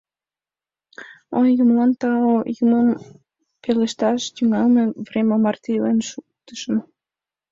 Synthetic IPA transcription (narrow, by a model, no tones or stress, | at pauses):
onjumlɑnt̪ɑojuməm | peleʃt̪ɑʃt̪yŋɑlmevremʲemɑrt̪ilenʃukt̪ə̥ʃə̆n